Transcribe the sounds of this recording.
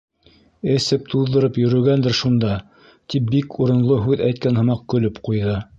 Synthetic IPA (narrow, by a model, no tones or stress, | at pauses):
ɘ̆sɘp̚t̪ʰuðːɤ̆ɾɤpjɵ̆ɾɵ̆ɡænd̪ɘɾʃund̪ɑ | t̪ip̚bikʰuɾɤ̆nlˠoɦʉðæjt̪̚kænhɤ̆mɑq̚kɵ̆lɵpqujðɤ